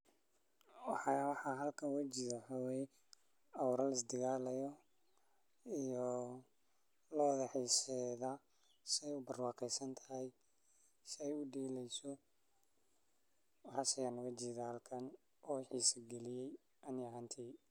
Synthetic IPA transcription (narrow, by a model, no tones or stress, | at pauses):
wħwħɑɦɐlkʰɐnwat͡ʃɪðɐwɑħɑːwɛːjɛ | ɐwɾɐlɪs̬d̪ɪɣaːlɐjɔ | ijɔ | lɔːðɐħiːsɛðɐ | sɪɛjʊbɐrwɑːqɛjsɐnt̪ʰɐ̥ɦɛj | sɪɛjʊɖiːlɛjsɔ | wħɑsɐjaːnʊɣɐt͡ʃiːðahɐlkʰɐn | ʔɔːħiːsɐɡɛlɪjɛj | ʔɐnjɐɦant̪ʰɛ